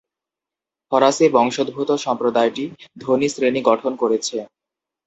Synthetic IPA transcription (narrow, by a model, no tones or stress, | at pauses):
fʰɔɾasebɔŋʃod̪̚bʱut̪oʃɔmpɾod̪aeʈid̪ʱonisɾeniɡɔʈʰonkoɾet͡ɕʰe